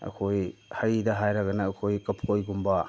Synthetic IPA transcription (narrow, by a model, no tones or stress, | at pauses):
ɐ̰kʰojhɐjdɐɦajɾɐɡɐnɐːkʰojkɐpʰojɡumbɐ